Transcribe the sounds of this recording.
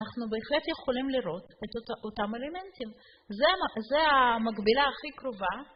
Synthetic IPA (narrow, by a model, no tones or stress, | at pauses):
aχnubeːχlet̪jeχolimliɾo̞t̪et̪ot̪amelement̪im | zeaazeamaɡbilaːχikɾova